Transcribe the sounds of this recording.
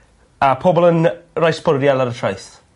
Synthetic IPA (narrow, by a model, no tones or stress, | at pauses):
apʰoːbɔlˠənrajspʊrjalˠaɾətʰrajθ